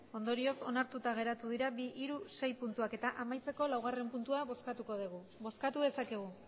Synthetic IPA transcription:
o̞nd̪o̞ɾio̞so̞naɾt̪ut̪aɣ̞e̞ɾat̪uðiɾabiʔiɾuse̞jpunt̪uake̞t̪aʔamajt͡se̞ko̞lawɣ̞are̞mpunt̪uaβo̞skat̪uko̞ðiɣu | βo̞skat̪uðe̞sakeɣ̞u

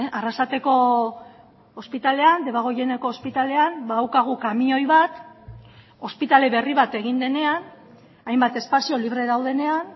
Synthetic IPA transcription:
arasat̪e̞ko̞ | ospit̪ale̞and̪e̞βaɣ̞oje̞neko̞ːspit̪ale̞anbaðawkaɣ̞ukamio̞jβat̪ | o̞spit̪ale̞βe̞riβat̪e̞ɣ̞ind̪e̞ne̞an | ajmbat̪e̞spasio̞liβɾe̞ðawðe̞ne̞an

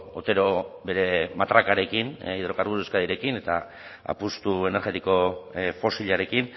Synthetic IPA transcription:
ot̪e̞ɾo̞be̞ɾe̞mat̪ɾakaɾe̞kiniðɾo̞kaɾɣuseskaðiɾe̞kine̞t̪a | a̰pust̪ue̞ne̞ɾɣe̞t̪iko̞fo̞siʎaɾe̞kin

